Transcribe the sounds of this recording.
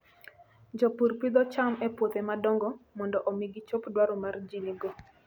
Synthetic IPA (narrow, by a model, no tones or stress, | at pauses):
d͡ʒɔpuɾpid̪ɔt͡ʃamɛpwot̪emadɔŋɡɔmɔndɔʔomiɡit͡ʃopdwaɾɔmard͡ʒiniɡɔ